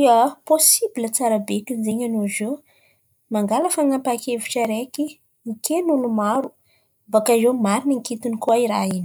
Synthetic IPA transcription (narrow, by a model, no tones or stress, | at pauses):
iəposibilət͡saɾabetunizeɲanozo | maŋɡalafaŋampakeviʈ͡ʂaɾeki | ikʰenulumaɾu | bakazemaɾiniŋkit̪inikoaiɾaini̥